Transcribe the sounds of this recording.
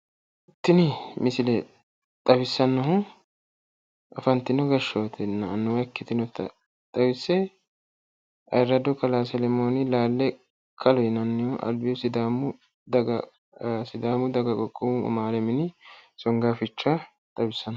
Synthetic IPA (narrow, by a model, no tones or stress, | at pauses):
ɪt̪ːɪnɪmɪsɪlɛ | t̪ʼɐbɪsːɐnːɔɦʊ | ʔɐfɐnt̪ːɪnɔɡɐʃːɐt̪ʰɛnːɐnːʊwɐkːɪt̪ɪnɔt̪ːɐ̰ | t̪ʼɐbɪsːɛ | ɐ̰jɾɐd̪ɔkɐlaːsɛlɛmoːnɪlaːlːɛ | kʰɐlɔjɪnɐnːɪjɔʔɐ̰lbɪjɔsɪd̪aːmʊ | d̪ɐɡ | sɪd̪aːmʊd̪ɐɡɐkʼɔkʼːʊmʊʊ̰maːlɛmɪnɪsɔŋɡaːfɪt͡ʃːa | t̪ʼɐbɪsːɐnɐ